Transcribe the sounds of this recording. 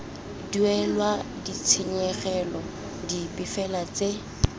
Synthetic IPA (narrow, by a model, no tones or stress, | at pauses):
duɛlwadit͡sʰiɲɛɣɛlɔ | dipʼɪfɛlat͡se